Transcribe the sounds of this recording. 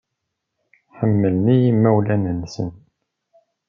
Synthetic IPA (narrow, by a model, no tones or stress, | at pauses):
ħəmːəlnijimːæwlænənsə̰n